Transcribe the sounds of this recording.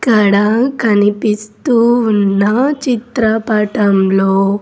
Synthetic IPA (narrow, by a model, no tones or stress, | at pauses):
kɐɽakɐnipist̪uːnːɐt͡ʃit̪ɾɐpaːʈɐmloː